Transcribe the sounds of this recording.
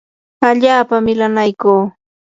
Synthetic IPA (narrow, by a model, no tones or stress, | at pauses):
aʎaːpamɪlanajkuː